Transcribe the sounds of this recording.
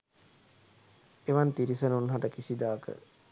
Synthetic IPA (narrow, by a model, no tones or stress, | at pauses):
eʋant̪iɾisənunɦaʈəkisid̪aːkə̰